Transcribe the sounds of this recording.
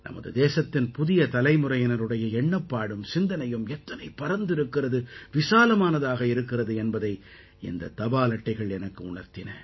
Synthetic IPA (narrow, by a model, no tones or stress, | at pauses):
nʔɐ̰mɐ̰ðɯ̰d̪eːsɐt̪ːɪnpʊðɪjɐt̪ɐlɐɪmʊɾɐjɐnɐɾɯɽɐjɐɛɳːɐpːaːɽɯmsɪnd̪ɐnɐjɯmɛt̪ːɐnɐɪpːɐɾɐnd̪ɪɾɯkːɪrɐðɯʋɪsaːlɐmaːnɐðaːɣɐɪɾɯkːɪrɐðɯɛnbɐðɐɪ | ɪ̰nd̪ɐ̰t̪ɐbaːlɐʈːɐɪɣɐɭɛnɐkːɯʊɳɐɾt̪ɪnɐ